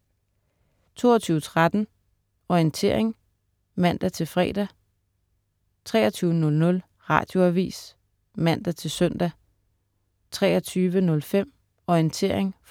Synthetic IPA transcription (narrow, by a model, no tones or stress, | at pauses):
t͡sʰo̝̰ːɐt͡sʰyːʊət͡sʰʁad̥n̩ | ɒint͡sʰe̝ɐ̰eŋ | mæn̰d̥æt͡sʰe̝lfʁɛ̰ːd̥æ | t͡sʰʁɛ̰ːɐt͡sʰyːʊənɔ̽lnɔ̽l | ʁɑ̰̈ːd̥jo̝æʋḭːs | mæn̰d̥æt͡sʰe̝lsœn̰d̥æ | t͡sʰʁɛːɒt͡sʰyːʋənɔ̽lfem̰ | ɒint͡sʰe̝ɐ̰e̝ŋ